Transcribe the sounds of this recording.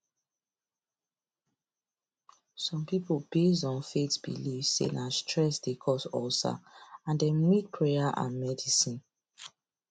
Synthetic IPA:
sɔ̃mpipobesdɔ̃nfetbḭlivsḛnastʰɹɛsdekʰɔsɔsa̰ãndɛmit̚pʰɹejaʔã̰nmɛdisĩn

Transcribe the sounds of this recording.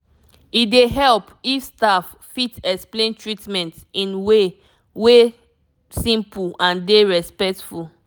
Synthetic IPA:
ideɦɛlpifstaf | fitɛksplẽntʰɹitmɛ̃ntĩnwe | we | sĩmpulãndeɹɛspɛk̚tful

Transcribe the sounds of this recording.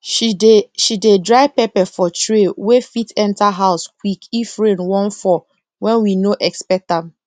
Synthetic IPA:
ʃidedɹaɪpɛpɛfɔtɹewefitɛ̃ntaɦaʊsk̚wikifɹẽnwɔ̃nfɔ | wɛ̃nwinoʔɛkspɛk̚tãm

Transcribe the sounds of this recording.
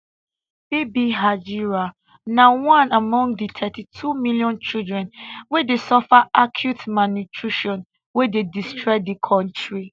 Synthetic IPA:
b̥ebiɦad͡ʒiɹa | nawãnamɔ̃ŋditʰɛtitʰumiljɔ̃nt͡ʃildɹɛ̃nwɛdesɔfaʔakʰjutmanutʰɹiʃɔ̃n | wɛdedistʰɹɔɪdikʰɔ̃ntɹi

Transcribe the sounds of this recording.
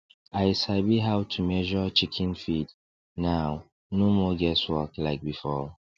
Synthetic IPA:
aɪshabiɦawtʰumɛʒɔt͡ʃikʰɛ̃nfid | naʊ | nomɔɡɛswɔklaɪk̚bifɔ

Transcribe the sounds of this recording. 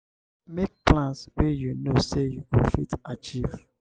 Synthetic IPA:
mek̚plãnswejunosejupofitat͡ʃiv

